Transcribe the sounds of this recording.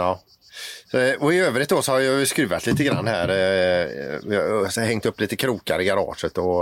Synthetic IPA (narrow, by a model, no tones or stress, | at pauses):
ɑː | sɔɔɪøːvɾɪt̪̚d̪ɔsɔhaɾjɑjskɾʉ̟ːvat̪liːt̪əɡɾa̰nːhæ̰ːɾ | hɛŋt̪ɵpːliːt̪əkʰɾuːkaɾəɡaɾɑ̰ːʂət̪ɔ